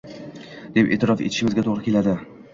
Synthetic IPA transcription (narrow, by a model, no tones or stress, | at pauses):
d̪̥epʔḛːt̪ʰɪɾɒfḛt̪ʰɪ̥ʃɪmɪzɡʲat̪ʰoʁɾɪkʲʰe̞lad̪ɪ